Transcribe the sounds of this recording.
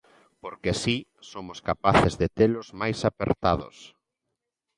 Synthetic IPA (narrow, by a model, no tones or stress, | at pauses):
poɾkesisomʊskapaθɪzðet̪elʊzmajsapḛɾt̪a̰ðʊ̰s